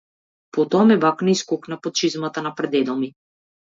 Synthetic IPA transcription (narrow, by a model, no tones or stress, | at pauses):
pɔt̪ɔamɛbaknɛiskɔknapɔt͡ʃizmat̪anapɾɛd̪ɛd̪ɔmi